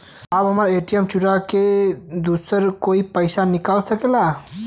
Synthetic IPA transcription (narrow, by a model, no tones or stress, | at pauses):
abɦəmɾeʈijəmt͡ʃuɽaked̪usəɾkoipəɪsanikalsəkela